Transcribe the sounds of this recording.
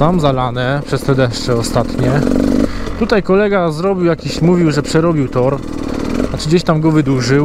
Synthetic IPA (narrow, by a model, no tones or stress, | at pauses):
amzalanɛpʂɛst̪ɛd̪ɛʂt͡ʂɛɔst̪at̪ɲɛ | t̪ut̪ajkɔlɛɡazɾɔbʲiwjakʲiɕmuvʲiwʐɛpʂɛɾɔbʲiwt̪ɔɾ | nat͡ʂɘɡd͡ʑeɕt̪amɡɔvɘd̪uʐɘ